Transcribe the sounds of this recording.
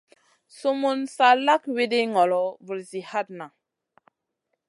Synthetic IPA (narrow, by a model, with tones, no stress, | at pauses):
so˦mu˦nsa˦la˦kwe˦de˦ŋɔ˨lɔ˨vu˨lzi˨ha˦t̚na˨